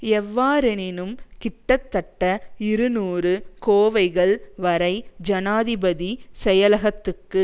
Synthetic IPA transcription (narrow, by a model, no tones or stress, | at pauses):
ɛʋːaːɾɪnɪnɯmkɪʈːɐt̪ːɐʈːɐɪɾɯnuːrɯkoːʋɐɪɣɐɭʋɐɾɐɪd͡ʒɐnaːðɪbɐðisɛjɐlɐɣɐt̪ːɯkːɯ